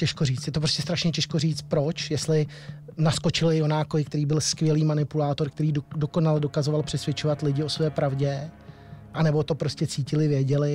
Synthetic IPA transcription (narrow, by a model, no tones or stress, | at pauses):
cɛʃkoriːt͡st̪jɛt̪o̞p̬ɾoscɛst̪ɾaʃɲɛcɛʃko̞riːt͡st̪̚pɾo̞t͡ʃjɛst̪lɪ | nasko̞t͡ʃɪlɪjo̞naːkoɪk̚t̪ɛɾiːbɪlskvʲjɛliːmanɪpulaːt̪oɾk̚t̪ɛɾiːdo̞konalɛdo̞kazo̞valpr̝̥ɛsvʲjɛt͡ʃovat̪lɪɟɪo̞svɛːpɾavɟɛ | ʔanɛbo̞t̪o̞pɾo̞scɛt͡siːcɪlɪvjɛɟɛlɪ